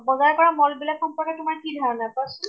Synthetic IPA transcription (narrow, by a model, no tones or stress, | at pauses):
bɔzajkɔɹamɔlbilakxɔmpɔɹkɛtʊmaɹkidʱaɹnajpɔsl